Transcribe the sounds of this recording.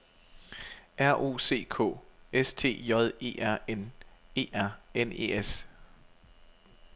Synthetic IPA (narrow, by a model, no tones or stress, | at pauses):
ʔæɐ̰ʔo̝̰ːse̝̰ːkʰɔ̰̽ːest͡sʰe̝̰ːjɒ̽ð̞ˠe̝̰ːʔæɐ̰ene̝̰ːæɐ̰ene̝̰ːes